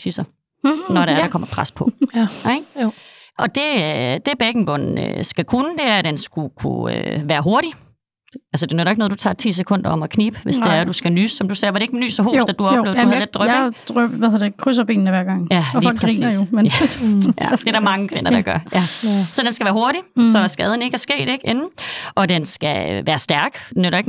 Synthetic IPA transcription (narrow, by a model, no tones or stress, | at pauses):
t͡sʰisɐ | nɒɾeɐɾɑ̈kʰɒ̽m̰ɐpʰʁaspʰɔ̽eɡ̥ | ʔɒ̽d̥e̝d̥e̝b̥eɡ̥n̩b̥ɔ̽n̩ø̰sɡ̥ækʰunəd̥e̝æɐd̥ensɡ̥ukʰṵø̰ʋæːɐɦo̝ɐɾ̥i̥ | ælsəd̥e̝nødˠɐeɡ̥noðˠdut͡sʰɑ̰̈ːt͡sʰḭːs̬ekʰɔ̽n̰d̥ɐɒ̽m̰ɒkʰniːb̥əʋe̝sd̥eæɐd̥usɡ̥ænyːsːɒ̽md̥usɛːʋɑdɾe̝e̝ɡ̥ny̰ːsɒɦo̰ːsdd̥ɑd̥uɒble̝ʊduhðled̥̚d̥ʁœɡd̥æheɐd̥ekʰʁys̬ɐbe̝̰ːn̩əʋæɐɡ̥ɑ̈ŋ̰jæfɒlʰɡʁiɐjomenʔæ̥edɑmɑ̈ŋəkʰʋe̝nɐd̥ɑɡ̥ɶɐjæsɒ̽d̥ensɡ̥æʋæːɐɦo̝ɐɾisɒ̽sɡ̥ɛð̞ˠn̩e̝ɡ̥æɐsɡ̥e̝̰ːd̥e̝ɡ̥e̝nn̩ʔɒ̽d̥ensɡ̥æʋæːɐsd̥æɐɡ̥enøɾɐeɡ̥